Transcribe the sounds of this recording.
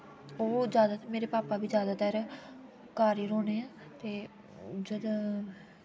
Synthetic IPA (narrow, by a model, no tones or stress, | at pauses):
oːzjaːd̪aːt̪əɾmeːɾeːpaːpaːbiːzjaːd̪aːt̪əɾ | kaːɾiːɾoːneːãːt̪eː | d͡ʒəd̪